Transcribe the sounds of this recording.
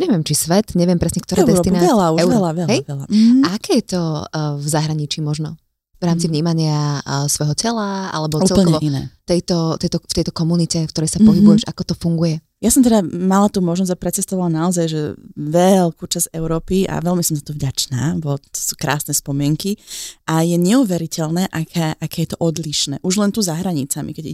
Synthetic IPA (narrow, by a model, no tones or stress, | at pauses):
ɲɛʋɪɛmt͡ʃisʋɛt̪ɲɛʋɪɛmpɾɛsɲɛkt̪ɔɾaːdɛɛt̪innaɛlauɛʊɾlaʋɛlɦɛjɛla̰aakɛːjɛt̪ɔvzaɦɾaɲit͡ʃiːmɔʒnɔ | vɾaːmt͡sivɲiːmaɲɪasʋɔjɦɔcɛlaa̰lɛbɔut͡sɛllkɔʋɔinɛ̰t̪ɛjt̪ɔt̪ɛjt̪ɔft̪ɛjt̪ɔkɔmunicɛfkt̪ɔɾɛjsapɔɦibujɛʒa̰kɔt̪ɔfuŋɡujɛ | jasɔmt̪ɛd̪amalat̪uːmɔʒnɔz̬ɟapɾɛt͡sɛst̪ɔʋalanaɔzajʒɛʋɛlkuːt͡ʃaz̥ɛʊɾɔːpiʔa̰ʋɛlmisɔmzat̪ɔvɟat͡ʃnaːʋɔt̪t̪ɔ̥suːkɾa̰ːsnɛspɔmɪɛŋkiʔajɛɲɛuʋɛɾicɛlnɛːʔakʰɛːʔakɛːjɛt̪ɔʔɔd̪liʃnɛ̰ːʔuʒlɛnt̪uːzaɦɾaɲit͡samḭkɛɟi